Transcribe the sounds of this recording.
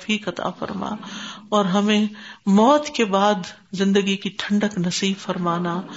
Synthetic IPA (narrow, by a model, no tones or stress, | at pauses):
fiːkɐt̪a̰fɐ̰ɾma̰ːɔːɾɦɐmẽmɔːt̪kebaːd̪ | zɪ̃nd̪əɡikiʈʰɐ̃ɳɖəknɐsiːbfɐɾmaːna